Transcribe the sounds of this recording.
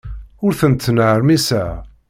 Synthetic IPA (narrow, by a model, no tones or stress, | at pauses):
ʊɾθənt̪ːnəɾmisæ